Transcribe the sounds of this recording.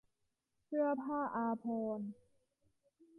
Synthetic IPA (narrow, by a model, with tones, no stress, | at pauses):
kʰɯ˥˩ɐpʰaː˥˩ʔaː˧pʰoː˧n